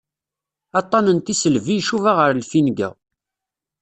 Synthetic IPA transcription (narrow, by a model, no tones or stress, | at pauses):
ɑt̪ˤːɑnənt̪isəlvijʃuvaʁəɾlfinɡæ̰